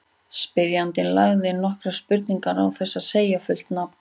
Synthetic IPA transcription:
spɪɾjant̪ɪnlaɣðɪnɔhkɾaspʏɾt̪niŋkaɾawθɛsːaðseːjafʏl̥t̪napn̥

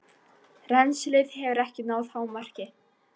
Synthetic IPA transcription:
rɛnslɪðɦɛvʏɾɛhcɪnaːwðhawmar̥cɪ

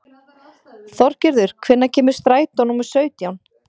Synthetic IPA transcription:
θɔɾ̥cɪɾðʏɾ̥kʰvɪnːacʰɛːmʏɾ̥st̪ɾaːjt̪ɔwnumʏ̥sœːɥt̪jawn

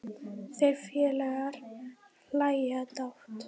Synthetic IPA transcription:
θejɾfjɛːlɛɣaɾ̥ | lajat̪awht̪

